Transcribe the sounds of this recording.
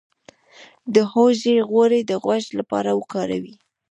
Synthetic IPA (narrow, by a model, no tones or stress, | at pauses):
d̪əhoʒeɣwoɾed̪əɣwaʃlapɑ̰ɾawəkɑɾa̰wi